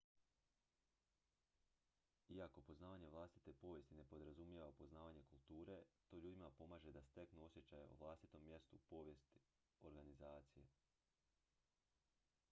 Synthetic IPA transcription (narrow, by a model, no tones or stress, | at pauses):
iako̞po̞znaːʋaɲe̞ʋlˠast̪i̥t̪e̞po̞ʋje̞st̪ine̞po̞d̪ɾazumje̞ʋapo̞znaːʋaɲe̞kulˠt̪uːɾe̞t̪o̞ʎuːd̪imapo̞maːʒe̞d̪ast̪e̞knuo̞sje̞t͡ɕajḛo̰ʋlˠast̪it̪o̞mːje̞st̪upo̞ʋje̞st̪i | o̞ɾɡanizaːt̪sije̞̰